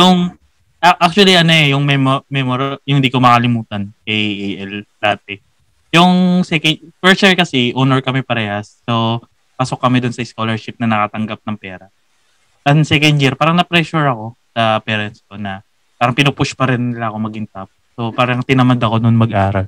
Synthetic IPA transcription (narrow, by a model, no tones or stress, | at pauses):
jʊŋ | ʔaʔak̚t͡ʃʊɐliʔɐnoɛjʊŋmɛmmɛmoɾjʊŋhɪnd̪iːko̞mɐkɐlɪmuːt̪ɐnkɐjʔeʔɛld̪ɐat̪̚ɛ | jʊŋsɛkɛfɛɹst̪jiɹkɐsɛʔonoɹkɐmɛpɐɾɛːhɐsːo | paso̞k̚ːɐmɛd̪ʊnsɐɪskolɛɹʃɪp̚nɐnɐkat̪ɐŋɡap̚nɐŋpɛːɾɐ | ɐŋsɛkɐnd̪̚jiɾpaːɾɐŋnɐpɾɛʃʊɹɐko̞sɐpɛːɾɛnst̪o̞nɐ | paːɾɐŋpɪnupʊʃpɐɾɪnːɪlaɐko̞mɐɡɪŋt̪ɐp̚ | so̞paːɾɐŋt̪ɪnɐmɐd̪ɐko̞nʊnmɐɡʔaːɾɐl